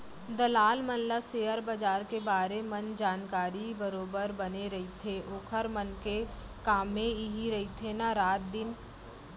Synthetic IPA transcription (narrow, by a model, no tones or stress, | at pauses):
d̪ɐlaːlmənlaseːəɾbɐd͡ʒaːɾkebaːɾemɐnd͡ʒaːnkaːɾibəɾoːbəɾbɐneɾɐɦit̪ʰeʔoːkʰəɾmənke | kaːmẽiɦiɾɐit̪ʰenaɾaːt̪̚d̪ɪn